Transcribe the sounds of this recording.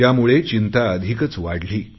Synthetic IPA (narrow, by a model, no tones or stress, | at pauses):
jamuɭet͡ɕint̪aəd̪ʱikət͡sʋaɽliː